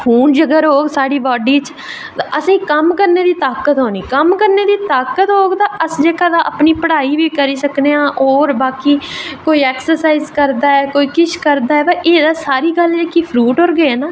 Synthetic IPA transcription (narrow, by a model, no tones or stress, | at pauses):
pʰuːnd͡ʒəɡəɾɦoːɡsaːɖiːbɔːɖiːt͡ʃ | t̪aʔəsĩːkəmkəɾneːd̪iːt̪aːkət̪ɦoːniːkəmkəɾneːd̪iːt̪aːkət̪ɦoːɡt̪aːʔəsd͡ʒeːkaːd̪aːʔəpniːpəɽaːiːʋiːkəɾiːsəkneːãːʔoːɾbaːkiːkoːiːɛːksəɾsaːizkəɾd̪aːɛːkoːiːkɪʃkəɾd̪aːɛːbɛʔeːd̪aːsaːɾiːɡəld͡ʒeːkiːpʰɾuːʈoːɾɡəɛːnaː